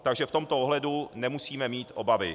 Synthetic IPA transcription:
t̪aɡʒɛft̪o̞mt̪ooɦlɛdunɛmusiːmɛmiːt̪ʔo̞bavɪ

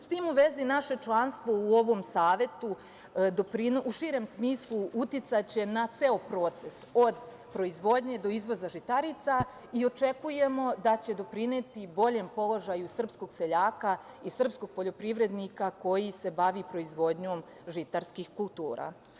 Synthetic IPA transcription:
st̪iːmuʋe̞zinaʃe̞t͡ʃlˠanst̪ʋo̞uo̞ʋo̞ːmsaːʋe̞t̪u | d̪opɾinuʃiːɾe̞msmiːslˠuut̪jit̪sat͡ɕe̞nat̪seopɾo̞ːt̪se̞so̞d̪ | pɾo̞izʋo̞d̪ɲe̞d̪o̞izʋo̞zaʒit̪aɾit̪sa | io̞t͡ʃe̞kuje̞mo̞d̪at͡ɕe̞d̪o̞pɾinet̪ibo̞ʎe̞mpo̞lo̞ʒajusr̩psko̞ɡse̞ʎaːka | isr̩psko̞ɡ̥̚po̞ʎo̞pɾiʋɾe̞d̪nikako̞jise̞baʋipɾo̞izʋo̞d̪ɲo̞ːm | ʒit̪aɾskixkulˠt̪uːɾa̰

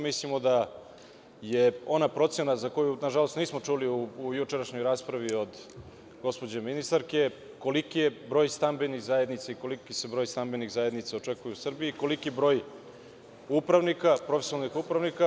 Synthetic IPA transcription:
mislimo̞d̪a | je̞o̞napɾo̞t̪senazako̞junaʒalo̞st̪niːsmo̞t͡ʂuliuːjut͡ʃeɾaʃɲo̞jɾaːspɾaʋio̞d̪ | ɡo̞spod͡ʑeminist̪aɾke | ko̞likijebɾo̞ːjst̪ambeniɣzajed̪nit̪saiko̞likise̞bɾo̞jst̪ambeniɣzaje̞d̪nit̪sao̞t͡ʂe̞kujuusrbiiko̞likibɾo̞ːj | upɾaʋnikapɾofesonalnixupɾaʋnika

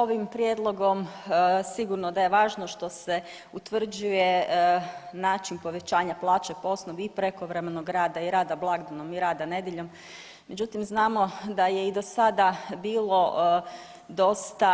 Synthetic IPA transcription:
o̞ʋimpɾjed̪lˠo̞ɡo̞msiɡuɾnod̪aje̞ʋaːʒno̞ʃt̪o̞se | ut̪ʋr̩d͡ʑuje̞ | naːt͡ʃinpo̞ʋe̞t͡ɕaːɲaplˠaːt͡ʃepoosnoʋiipɾeko̞ʋɾe̞menoɡɾaːd̪aiɾaːd̪ablˠaɡd̪anomiɾaːd̪ane̞d̪jeʎo̞mː | e̞d͡ʒut̪imznaːmo̞d̪ajeid̪o̞sad̪abiːlˠo̞ | d̪o̞st̪a

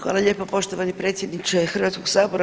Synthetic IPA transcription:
a̰laʎʲeːpopo̞ʃt̪oʋanipɾeːt̪sjed̪nit͡ʃexr̩ʋat̪skoɡsaːboɾa

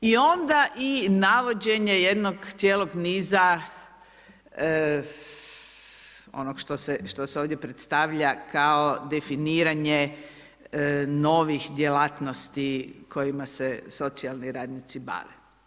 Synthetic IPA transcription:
io̞nd̪aʔinaʋo̞d͡ʒe̞ɲe̞je̞d̪noɡt̪sjeːlo̞ɡniːza | o̞̰noɡʃt̪oseʃt̪o̞seo̞ʋd̪jepɾet̪st̪aʋʎakaod̪efiniːɾaɲe | no̞ːʋixd̪jelaːt̪no̞st̪ikʰo̞jimaseso̞t̪sialˠniɾaːd̪nit̪siba̰ːʋḛ

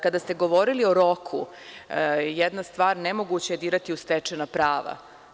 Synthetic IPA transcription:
kad̪ast̪eɡoʋo̞ɾilio̞ɾo̞kʰṵ | jɛd̪nast̪ʋaːɾnemo̞ɡut͡ɕaed̪iːɾat̪iust̪ɛt͡ʂenapɾaːʋa̰

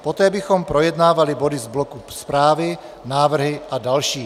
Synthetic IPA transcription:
pɔt̪ɛːbixɔmpɾɔjɛd̪naːvalibɔd̪izblɔkuspɾaːʋi | naːvr̩ɦiʔadalʃiː

